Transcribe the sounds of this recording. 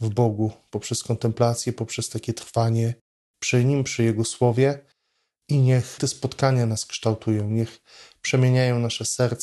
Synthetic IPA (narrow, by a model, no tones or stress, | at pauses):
vbɔɡupɔpʂɛskɔnt̪ɛmplat̪sʲjɛpɔpʂɛst̪akʲɛt̪ɾfaɲɛ | pʂɘɲimpʂɘjɛɡɔswɔvʲjɛ | iɲɛxt̪ɛspɔt̪kaɲanaskʂt̪awt̪ʰujɔ̃w̃ɲɛx | pʂɛmʲjeɲajɔ̃w̃naʂɛsɛɾt̪s